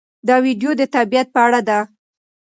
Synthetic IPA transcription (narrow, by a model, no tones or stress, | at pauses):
d̪ɑwiɖjod̪ət̪abijat̪̚pəaɽad̪a